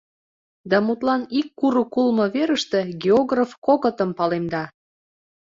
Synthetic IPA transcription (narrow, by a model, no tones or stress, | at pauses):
d̪ɑmut̪lɑnikːuɾukulmɤ̆βeɾəʃt̪e̽ɡʲeoɣrafkokə̆t̪ə̆mpɑlemd̪ɑ